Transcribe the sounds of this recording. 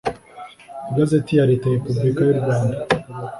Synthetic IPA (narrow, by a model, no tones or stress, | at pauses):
ɡazetijaɾitahepublikajuɾɡwaːnda